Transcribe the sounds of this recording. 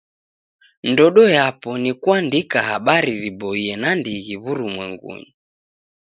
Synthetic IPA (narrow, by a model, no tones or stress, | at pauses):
ndɔɗɔjapɔnikuandikaɦaɓaɾiɾibɔiɛnandiɣiβuɾumwɛŋɡṵɲi